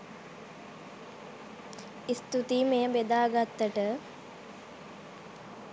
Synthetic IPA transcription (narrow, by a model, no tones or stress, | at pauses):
ist̪ut̪imejəbed̪aːɡat̪ːəʈə